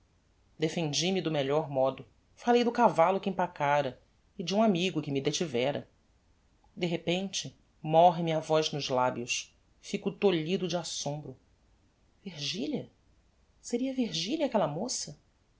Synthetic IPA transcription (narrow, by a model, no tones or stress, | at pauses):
d̪efẽnd͡ʒimɪd̪ʊmeʎɔɾmɔd̪ʊ | falejd̪ʊkavalʊkɪĩpakaɾɐ | ɪd͡ʒɪũamiɡʊkɪmɪd̪et͡ʃivɛɾɐ̰ | d̪eɦepẽnt͡ʃɪ | mɔɦɪmĩɲɐvɔjznʊzlabjʊs | fikʊt̪oʎid̪ʊd͡ʒɪasõmbɾʊ | viɾʒiʎɐ | seɾiɐviɾʒiʎɐakɛlɐmosɐ